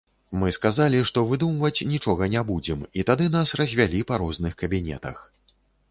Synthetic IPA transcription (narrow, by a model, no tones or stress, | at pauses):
mɨskazalʲiʂt̪ɔvɨd̪umvɐt͡sʲnʲit͡ʂɔɣɐnʲɛbud͡zʲɛmit̪ad̪ɨn̪asrɐzʲvʲalʲipɐɾɔznɨxkɐbʲinʲɛ̰t̪ɐ̰x